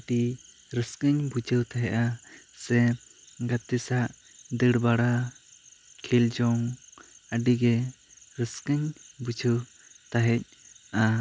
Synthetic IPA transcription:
ɖi | ɾəskəɲbud͡ʒʱəwt̪aɦɛʔasɛɡat̪isaʔ | d̪əɽbaɽa | kʰild͡ʒɔŋəɖiɡɛ | ɾəskəɲbud͡ʒʱəw | t̪aɦɛc̚a

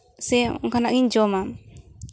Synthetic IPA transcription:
sɛɔ̰ŋkanaʔŋiɲd͡ʒɔmam

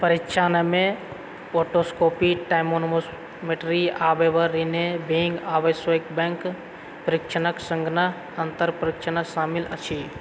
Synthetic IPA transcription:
pəɾit͡ʃʰaːnəmẽ | oːʈoskoːpiʈaːjmonmo | meʈɾiaːbeʋəɾinebʱẽŋɡaːʋəsɪkbɛ̃ŋk | pɾɪkʃʰənəksə̃ŋɡnə | ə̃nt̪əɾpɾɪkt͡ʃʰənəsaːmɪlɐt͡ʃʰiː

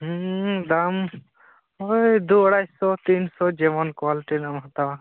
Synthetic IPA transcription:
ɦd̪am | ojd̪uɔɽajsɔt̪insɔd͡ʒeʋɔnkwaliʈinamɦɔt̪awa

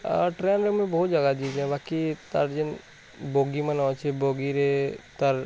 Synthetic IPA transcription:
ʈɾeːnɾemẽbɔɦːt̪d͡ʒɐɡad̪id͡ʒɛ̃baːkit̪əɾd͡ʒɪn | boːɡimənaːʋt͡ʃʰeboːɡiɾet̪əɾ

